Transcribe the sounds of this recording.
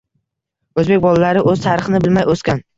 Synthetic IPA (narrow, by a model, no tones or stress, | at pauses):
ɵzbek̚ʲbɒlˠalaɾɪʔɵz̥t̪ʰaɾɨχɨnɪbɪlmajoskʲan